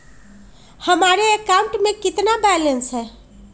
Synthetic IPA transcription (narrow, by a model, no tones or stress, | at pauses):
həmaɾeekauɳʈmekit̪nabɛlensɦɛ